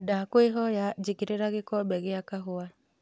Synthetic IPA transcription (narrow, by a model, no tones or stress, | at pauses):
dakwɪɦɔjad͡ʒikiɾeɾaɡɪkɔbɛɡɪjakaɦʊa